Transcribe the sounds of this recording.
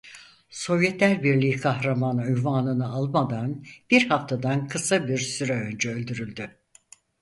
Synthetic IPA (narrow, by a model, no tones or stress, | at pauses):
so̞vjɛt̪lʲæɾbiɾlʲiːkʰahɾamanayjvaːnɯnɯalˠmad̪anb̥iɾhaft̪ʰad̪ankʰɯsabiɾsyɾɛø̞nd͡ʒɛø̞lʲd̪yɾylʲd̪y